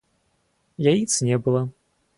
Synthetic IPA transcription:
jajit̪snʲɛbɨlˠɐ

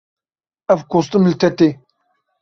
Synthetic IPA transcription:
avkustəməltate

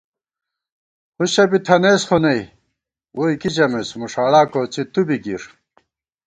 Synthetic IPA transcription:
huɕɐbit̪ʰɐnesχonɐj | woikit͡ɕɐmesmuʂaːɭaːkot͡sit̪ubiɡiɾ

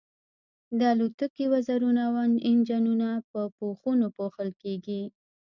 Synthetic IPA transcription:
d̪əalut̪əkiwazaɾunawanɪnd͡ʒanunapəpoxunopoxəlkeɡi

